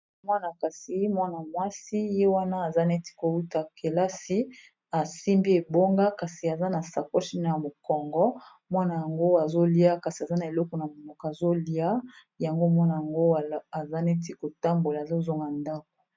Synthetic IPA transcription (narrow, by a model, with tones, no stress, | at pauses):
mwa˦na˨ka˨si˨je˦mwa˦na˨mwa˦si˦je˦wa˦na˦a˨za˦ne˦ti̥˦ko˨wu˦ta˨kʰe˨la˦si˦ | a˨si˦mbi˦e˨bo˦ŋɡa˦ka˨si˨a˨za˦na˨sa˨kɔ˦ʃi˦na˨a˨mo˨kɔ˨ŋɡɔ˦ | mwa˦na˨ja˨ŋɡo˦a˨zo˦li˦a˦ka˨si˨a˨za˦na˨e˨lɔ˦kɔ˨na˨mo˨mɔ˨ka˨zo˦li˨a˦ | ja˨ŋɡo˦˨mwa˦na˨ja˨ŋɡo˦˨a˨za˦ne˦ti˦ko˨ta˦mbo˨la˨zo˦zɔ˦ŋɡa˨nda˦k̚o̥˨